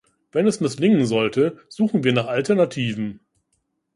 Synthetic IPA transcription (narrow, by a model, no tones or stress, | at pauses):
vɛnɛsmɪslɪŋənzɔltʰəz̥uːχn̩viːɐnaːχaltɛɐnatʰiːvn̩